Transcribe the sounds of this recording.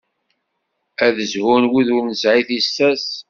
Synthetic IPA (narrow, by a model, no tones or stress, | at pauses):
æðəzhʊnwiðʊɾnəsʕiθisːæs